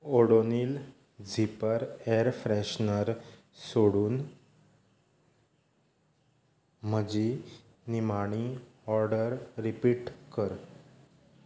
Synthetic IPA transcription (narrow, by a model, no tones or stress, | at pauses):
oɽoniːl | d͡zʱipəɾeɾfɾɛɕnəɾ | soɽuːn | məd͡ʑi | nimaɳ̃iɔɾɖəɾːipiːʈkəɾ